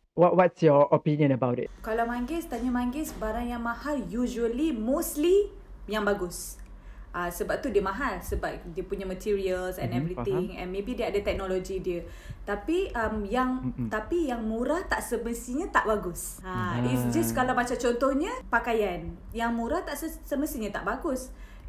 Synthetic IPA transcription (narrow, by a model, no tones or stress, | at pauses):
wɔʔwɔtsjɔopĩnjə̃nəbawtɪ̰kalawmãŋɡɪst̪aɲamaŋɡɪsbaɾaŋjaŋmãhaljuʒuəlimosli | jaŋbaɡʊs | ʔasəbap̚t̪udiəmaɦalsəbap̚diəpuɲamət̪ʰiɾiəlsɛ̰̃nɛvɾit̪ɪŋɛ̰̃nmẽbidiəadət̪ɛk̚nolod͡ʒidiə | t̪apiʔəmjaŋt̪apijaŋmuɾaht̪aʔsəməsiɲãt̪aʔbaɡʊs | ãisd͡ʒaskalawmat͡ʃamt͡ʃɔnt̪ɔhɲə̃pakajan | jaŋmũɾaht̪aʔsəsəməsiɲãt̪a̰ʔbaɡʊs